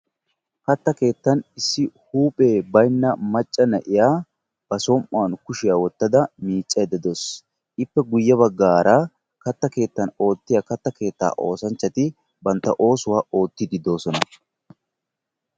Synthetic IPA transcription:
kɐt̪ːɐke̞ːt̪ːɐnɪsːɪhuːpʼe̞ːbɐjnːɐmɐt͡ʃʼːɐnɐʔɪjaː | b̥ɐsɔmʔʊɐnkʊʃɪjaːwɔt̪ːɐd̪ɐmiːt͡ʃʼːɐjɛd̪ɛd̪os | ʔɪpːɛɡʊjːɐbɐɡːaːɾaː | kɐt̪ːɐke̞ːt̪ːɐno̞ːt̪ːɪjaːkɐt̪ːɐke̞ːt̪ːa̰ːʔo̞ːsɐnt͡ʃːɐt̪ɪ | bɐnt̪ːɐʔo̞ːsʊwaːo̞ːt̪ːɪd̪ɪd̪o̞ːsɔnɐ

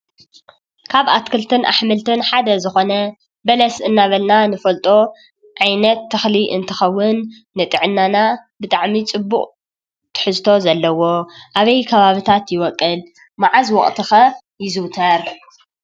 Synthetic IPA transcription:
kʰaβat̪kʰɨlt̪ʰɨnʔa̰ħmɨlt̪ʰɨnħad̪ɐzɨxo̞nɐ | bɐlɐsɨnːaβɐlnanɨfɐlt̪ʼo̞ | ʕajnɐt̪ʰːɨxliʔɨ̰nt̪ʰɐxɐwːʊnː | ɨt̪ʼɨʕɨnːanabɨt̪ʼaʕmit͡sʼɨbːukʼ | t̪ʰɨ̥ħɨzt̪ʰo̞zɐlːɐwo̞ʔaβɐjkʰɐβaβɨt̪ʰat̪jɪwɔkʼːɨl | maʕazwɔχʼt̪ʰɨxɐ | jɪzɨwt̪ʰɐɾ

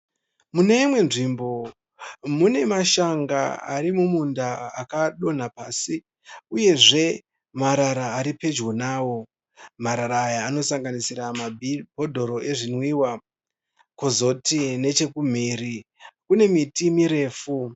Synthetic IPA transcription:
mune̞imwe̞nʐimbo̞ | mune̞maʃaŋɡaaɾimumundaːkaɗo̞n̤apaːsi | uje̞ʐe̞ | maɾaɾaːɾipe̞d͡ʒɣonaːwo̞ | maɾaɾaːjaːno̞saŋɡanisiɾamabʱo̞dʱo̞ɾo̞ʔe̞ʐinwiːwa | kozo̞tine̞t͡ʃe̞kum̤iːɾi | kune̞mitimiɾe̞ːfu

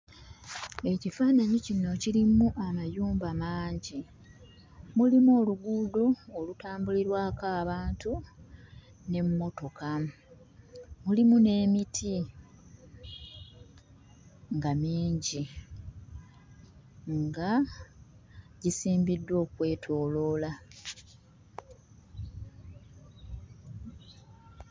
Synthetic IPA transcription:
e̞cifaːnaɲicino̞cilimuʔamajuːmbamaːɲɟi | mulimoːluɡuːdo̞ːlutaːmbuliɾwaːkaːβaːntu | ne̞mumo̞to̞ka | mulimune̞ːmitʰi | ŋɡamiːɲɟi | ŋɡa | ɟisiːmbidːwo̞ːkwe̞ːtʰo̞ːlo̞ːla

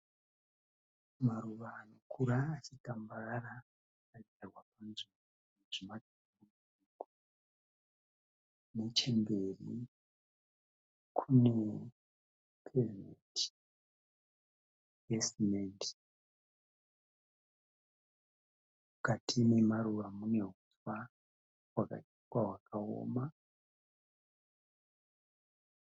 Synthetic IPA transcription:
maɾuʋaːnokʰuɾaːt͡ʃikambaɾa | kaid͡zarwapanzio | uʐimaduumuuiko | net͡ʃe̞mbe̞rḭ | kʰune̞ | kʰevinet | esmend | mukatinemaruʋamuneɦuswa | waka̰iwawakao̰ːma

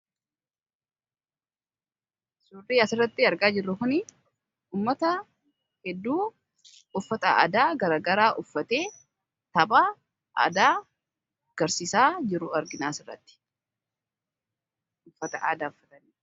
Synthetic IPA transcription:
sʊriːɐsɪrːɐt̪ːɪɐɾɡaːd͡ʒɪrːʊkʊnɪ | uːmːɐt̪ɐ | hɛd̪ːuː | ʊfːɐt̪ɐa̰ːd̪aːɡɐɾaːɡɐɾaːʔʊfːɐt̪eː | t̪ɐbaː | ʔa̰ːd̪aː | ɡ̥ɐɾsiːsaːd͡ʒɪɾʊɐɾɡɪnaːsɪrːɐ̰t̪ːɪ̥ | ʊfːɐt̪ɐʔa̰ːd̪aːʊfːɐt̪ɐniː

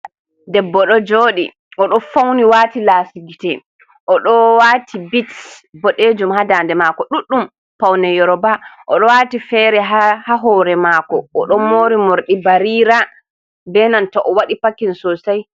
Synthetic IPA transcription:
dɛbːɔɗɔd͡ʒoːɗḭ | ʔɔɗɔfawniwaːtilaːsiɡitɛ | ʔɔɗɔwaːtibitbɔɗed͡ʒumhadaːndɛmakɔɗuɗːum | pawnɛjɔɾɔbaʔɔɗɔwaːtifɛːɾɛɦahaɦɔɾɛmakɔɔɗɔmoːɾimoɾɗibaɾiːɾa | bɛnantɔʔɔwaɗipakːinsɔsaj

